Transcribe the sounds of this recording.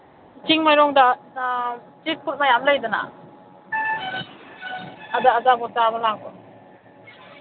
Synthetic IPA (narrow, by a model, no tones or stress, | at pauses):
itiŋmajɾɔŋdana | tit̚pʰut̚majamlajdana̰ | adaːzabɔtamalakɔn